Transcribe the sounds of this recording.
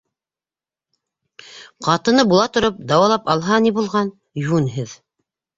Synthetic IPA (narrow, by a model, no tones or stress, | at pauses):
qɑt̪ɤ̆nɤbulˠɑt̪ŏɾop̚d̪ɑwɑlˠɑpɑlˠɦɑnibulˠʁɑn | junɦɘð